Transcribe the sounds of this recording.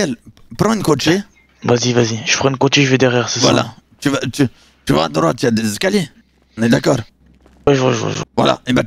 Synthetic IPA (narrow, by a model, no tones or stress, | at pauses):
ɛl | pχɑ̃ynkoʃe | vazivaziʒ̥əpχɑ̃nkot͡ʃeʒəvɛd̪ɛʁjɛʁsasvwa̰la̰t̪yvat̪y | t̪yva̰a̰d̪ʁwa̰t̪yad̪ezeskalje | ɔ̃nɛd̪akɔːʁ | wɛʒɔʒ̰ʒvwa̰la̰ebɛ̃